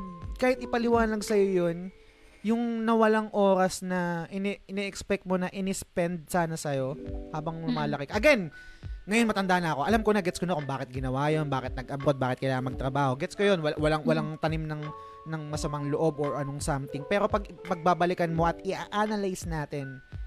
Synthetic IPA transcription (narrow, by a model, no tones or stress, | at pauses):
kaːhɪt̪ʔɪpɐlɪwaːnɐnlɐɡsɐjo̞jo̞n | jʊŋnɐwɐlaŋʔo̞ːɾɐsnɐʔɪnɛɪnɛʔɛkspɛk̚t̪̚mo̞nɐʔɪnɛspɛnd̪̚saːnɐsɐjo̞haːbɐŋlʊmaːlɐkɪkɐʔɐɡɛnŋɐjonmɐt̪ɐnd̪aːnɐɐko̞ʔɐlamkonɐɡɛt̪skonɐkʊŋbaːkɪt̪̚ɡɪnɐwajo̞nbaːkɪt̪̚nɐɡʔɐbɾod̪̚baːkɪt̪̚kɐjlaːŋɐŋmɐɡ̚t̪ɾɐbaːho̞ɡɛt̪skojo̞nwɐwɐlaŋwɐlaŋt̪ɐnimnɐŋ | nɐŋmɐsɐmaŋloʔo̞bʔoɹʔɐno̞ŋsamt̪ɪŋpɛːɾo̞pɐɡpɐɡ̚baːbɐlɪkɐnmo̞ʔɐt̪̚ɪʔaʔanɐlajsnaːt̪ɛn